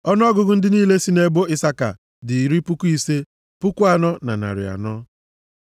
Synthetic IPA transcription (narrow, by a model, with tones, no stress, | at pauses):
ɔ˦n˦ɔ˦ɡʊ˨ɡʊ˦n̩˦dɪ˦niː˦le˦si˦ne˦bo˦ɪ˦sa˦ka̰˨ | dɪ˨ɾi˦pʊ˦ku˦i˦se˦ | pʊ˦ku˦a˨nɔ˦na̰˨na̰˨ɾɪ̰˨a̰˨nɔ˦